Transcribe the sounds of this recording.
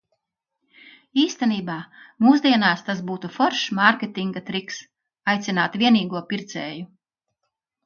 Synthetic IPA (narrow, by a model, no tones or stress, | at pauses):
iːst̪ɛniːbaːmuːzd̪iɛnaːst̪asbuːt̪ufɔɾʃmaɾkʲet̪iŋɡat̪ɾiks | ajt̪sʲinaːt̪vʲiɛniːɡuɔpiɾt̪sɛːju